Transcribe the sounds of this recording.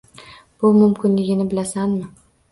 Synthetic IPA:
b̥ʊmʊmkʲʰɪnlɪɡʲɪnɪbɪlasanmɪ

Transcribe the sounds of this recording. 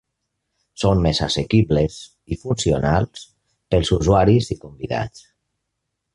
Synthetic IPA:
sonmeza̰sekiβles | ifunsionalˠs | pəlˠzuzuaɾizikumbiða̰t͡s

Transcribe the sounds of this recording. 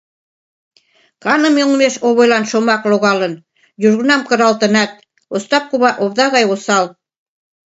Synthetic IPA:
kɑnə̆meŋmeʃoβojlɑnʃomɑkloɣɑlə̆n | juʒɣənɑmkə̆ɾɑlt̪ə̆nɑt̪̚ | ost̪ɑp̚kuβɑʔoβd̪ɑɣɑjosɑl

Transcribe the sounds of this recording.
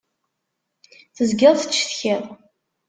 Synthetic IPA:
θəzɡɪðˤθə̥t͡ʃːθçeðˤ

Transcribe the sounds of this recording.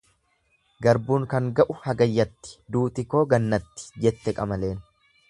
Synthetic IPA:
ɡɐɾbuːŋkɐŋɡɐʔʊhɐɡɐjːɐt̪ːɪ̥d̪uːt̪ɪko̞ːɡɐnːɐt̪ːɪ̥d͡ʒɛt̪ːɛkʼɐmɐle̞ːn

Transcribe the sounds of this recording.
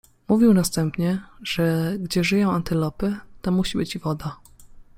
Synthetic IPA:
muvʲiwnast̪ɛmpɲɛʐ̥ɛɡd͡ʑɛʐɘjɔ̃w̃ant̪ɘlɔpɘt̪ɔmuɕibɘt͡ɕivɔd̪a

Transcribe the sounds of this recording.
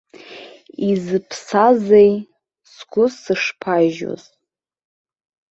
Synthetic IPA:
izɨpʰsazej | sɡʷʊsɨʂpʰaʒo̰z

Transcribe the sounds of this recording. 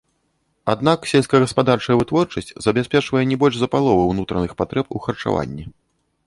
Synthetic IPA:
ad̪̚naksʲɛlʲsʲkɐɣɐspad̪art͡ʂɐjɛvɨt̪vɔrt͡ʂɐsʲt͡sʲzɐbʲɛsʲpʲɛt͡ʂvɐjɛnʲɛbɔlʲʂzɐpalˠɔvɨwnut̪ɾɐnɨxpat̪ɾɛpuxɐrt͡ʂa̰va̰nʲːɛ

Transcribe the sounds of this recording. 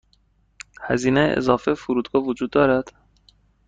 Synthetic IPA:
hæziːnḛʔḛzɒːfefuɾuːd̪ɡɒːvud͡ʒuːd̪ːɒːɾæd̪̥

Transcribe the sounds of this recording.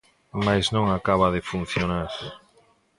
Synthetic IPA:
majznõŋakaβ̞aðefun̟θjonaɾ

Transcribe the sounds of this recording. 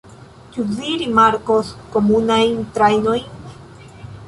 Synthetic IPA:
t͡ʃuviɾimaɾkosko̞munajntɾajno̞jn

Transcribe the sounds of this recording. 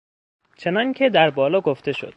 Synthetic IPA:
t͡ʃʰe̞nɒːŋcʲʰed̪æɾbɒːlɒːɡoft̪e̞ʃo̰d̪̥̚

